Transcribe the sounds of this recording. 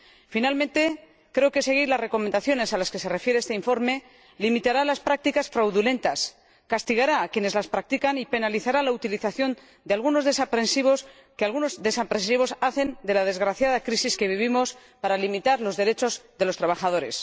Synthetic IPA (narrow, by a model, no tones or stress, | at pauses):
finalmẽ̞nt̪e̞ | kɾe̞oke̞se̞ɣ̞iɾlasre̞ko̞mẽ̞nd̪aθjo̞ne̞salaske̞se̞re̞fje̞ɾeest̪eiɱfo̞ɾme̞ | limit̪aɾalaspɾak̚t̪ikasfɾawðule̞nt̪as | kast̪iɣaɾaːkje̞ne̞zlaspɾak̚t̪ikanipe̞naliθaɾalaut̪iliθaθjo̞n | d̪ealɣuno̞zðe̞sapɾe̞nsiβ̞o̞s | kealɣuno̞zðe̞sapɾesiβo̞saθe̞nd̪e̞lað̞e̞zɣɾaθjaðakɾisiske̞β̞iβ̞imo̞s | paɾalimit̪aɾlo̞zðe̞ɾe̞t͡ʃo̞zðe̞lo̞st̪ɾaβ̞aχað̞o̞ɾe̞s